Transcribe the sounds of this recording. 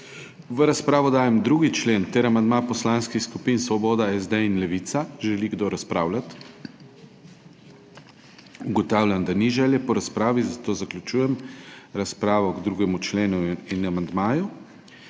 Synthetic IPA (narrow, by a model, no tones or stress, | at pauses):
ʋəɾaspɾaːʋɔd̪aːjɛmd̪ɾuɡit͡ʃleːnt̪ɛɾamand̪mapɔslaːnskixskupinsʋɔboːd̪aɛzd̪ɛinlɛʋit̪saʒɛliɡd̪oɾaspɾaːwlʲat̪ | uɡɔt̪awlʲand̪aniʒɛljɛpɔɾaspɾaːʋizat̪oːzaklʲut͡ʃuːjɛmɾaspɾaːʋɔɡd̪ɾuɡɛmut͡ʃleːnuinamand̪maːju